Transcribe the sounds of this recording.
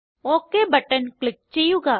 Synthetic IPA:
oːkeːbəʈənklɪk̚t͡ʃijuɡaː

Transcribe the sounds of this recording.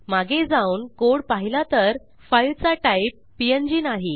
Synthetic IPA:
maɡed͡zauːnkoɽpaɦilat̪əɾ | fajlt͡saʈaipːiend͡ʑinaɦi

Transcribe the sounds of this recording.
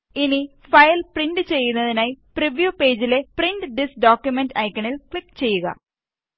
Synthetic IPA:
ini | fɐjɐlprinɖɨt͡ɕe̞jːunːɐðinaːjipriʋjupe̞ːd͡ʑile̞prinɖɨɖisɖoːkʲjumenɖɐjkʲːɐɳilkɭikːt͡ɕe̞jːuɣɐ̰

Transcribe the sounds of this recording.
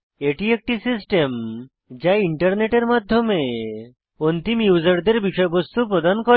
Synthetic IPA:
eʈiek̚ʈisisʈem | d͡ʒaiɳʈəɾneʈeɾmad̪ʱjɔme | ɔnt̪imjuzəɾd̪eɾbiʃɔjbɔst̪upɾɔd̪ankɔ

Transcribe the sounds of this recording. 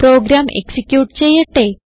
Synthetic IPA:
pɾo̞ːɡɾaːmʔḛksikʲjuːʈt͡ɕe̞jːiʈːe

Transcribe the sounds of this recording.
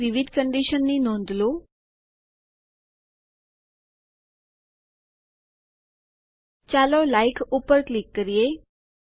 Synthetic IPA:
ʋiʋid̪ʱkəɳɖiʃənːinõnd̪ʱlo | t͡ɕalɔlaikʰupəɾklikːəɾije

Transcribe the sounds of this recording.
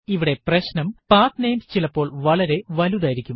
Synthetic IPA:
iʋiɽe̞prɐɕnɐmpaːt̪nejmst͡ɕilɐpːo̞ːɭʋɐɭɐɾe̞ʋɐluðaːjiɾikʲːum

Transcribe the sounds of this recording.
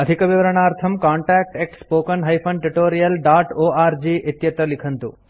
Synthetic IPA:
ɐd̪ʱikɐʋiʋɐɾɐɳ̃aːɾt̪ʰɐmkaːɳʈaːk̚ʈek̚ʈspoːkɐnɦɐjpʰɐɳʈuʈoːɾijɐlɖaːʈoːaːɾd͡ʒiːʔet̪jɐt̪ɾɐlikʰɐnt̪ṵ

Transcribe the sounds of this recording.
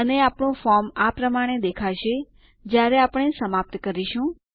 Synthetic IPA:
əneapɳõfɔɾmapɾəmaɽ̃ed̪ekʰaʃe | d͡ʒjaɾeapəɽ̃esəmap̚t̪kəɾiʃũ

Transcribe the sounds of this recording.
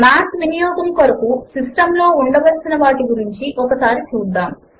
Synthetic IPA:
maːsʋinijɔːɡ̪ɐmkoɾɐkusisʈɐmlo̞ːuɳɖɐʋɐlsinɐʋaːʈiɡuɾiɲt͡ʃiʔɔkɐsaːɾit͡ʃuːd̪ːaːm

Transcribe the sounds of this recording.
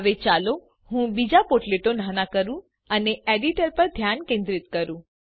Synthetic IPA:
ʋet͡ʃalo | hũbid͡ʒapoɾʈleʈon̤anakəɾũ | əneeɖiʈəɾpəɾd̪ʱjankẽnd̪ɾit̪kəɾũ

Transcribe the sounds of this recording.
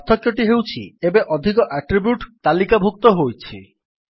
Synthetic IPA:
t̪ʰːɔkjoʈiɦewt͡ɕʰḭebeʔɔd̪ʱikɔʔaʈɾibjuʈt̪alikabʱuk̚t̪ɔɦojt͡ɕʰḭ

